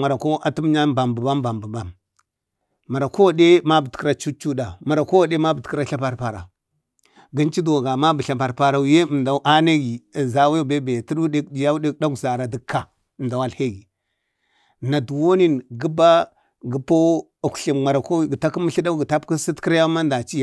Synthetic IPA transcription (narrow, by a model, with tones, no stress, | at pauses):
a˨ɾa˨ko˦ʔa˨tu˦m˦ɲa˦ba˨mbə˨ba˦mba˨mbə˨ba˦m | ma˨ɾa˨ko˦wa˨de˦ma˦bə˨tkɾa˦t͡ʃu˦t͡ʃu˦da˨ma˨ɾa˨ko˦wa˨de˦ma˦bə˨tkɾa˦ɬa˦pa˨ɾpa˨ɾa˨ | ɡi˦nt͡ʃi˦dwa˨ɡa˨ma˦bə˨ɬa˨pa˨ɾpa˨ɾa˨wje˦˨mda˨˦ʔa˦ne˦ɡi˨za˨we˦˨be˦be˨ti˦ɗu˦de˦ki˨ja˦de˦kɗa˦ɡza˨ɾa˨də˦kʰːa˨ | ə˨mda˨wa˦lhe˦ɡi˨ | na˨du˨wo˦ni˦nɡi˦ba˦ | ɡə˨po˦˨ | kɬi˨ŋ͡ma˨ɾa˨ko˦ɡə˨ta˦ki˦mə˦ɬi˦da˦ɡə˨ta˦pki˦si˦tki˦ɾa˦ja˦ma˦nda˨t͡ʃi˦ja˨